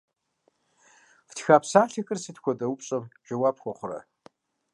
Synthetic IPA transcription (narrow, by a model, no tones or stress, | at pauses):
ftxaːpsaːɬɐkʼɨrsɨtkʷʰɔdʼɐwupʼɕʼɐmd͡ʒʼɐwaːpxʷɔχʷʊrɐ̰